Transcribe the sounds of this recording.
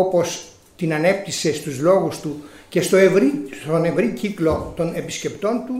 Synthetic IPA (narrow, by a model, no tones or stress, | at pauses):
opo̞s | t̪inɐne̞p̚t̪ise̞st̪uzlo̞ɣust̪uce̞st̪oevɾit̪one̞vɾiciklo̞t̪o̞ne̞pisce̞pt̪o̞nt̪u